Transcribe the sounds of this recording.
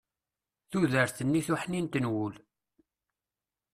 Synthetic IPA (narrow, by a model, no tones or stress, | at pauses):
θuðəɾθənːiθuħnint̪ənwʊl